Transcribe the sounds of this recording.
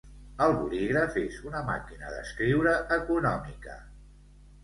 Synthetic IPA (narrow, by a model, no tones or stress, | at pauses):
əlˠβṵliɣɾəfezunəma̰kinə̰ðə̰skɾiwɾəʔəkunɔmikə